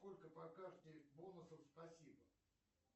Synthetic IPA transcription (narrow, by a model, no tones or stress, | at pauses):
ko̞lʲkəpɐkaʐd̪ʲɪjbonʊsəfspɐsʲibə